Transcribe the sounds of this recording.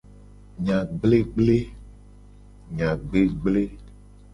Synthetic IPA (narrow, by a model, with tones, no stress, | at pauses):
ɲã˨ɡ͡ble˦ɡ͡ble˦ | ɲã˨ɡ͡be˦ɡ͡ble˦